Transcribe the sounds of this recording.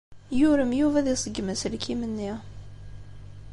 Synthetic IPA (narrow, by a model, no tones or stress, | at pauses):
jʊɾəmjuvæðisˤəɡːmæslkʰimənːi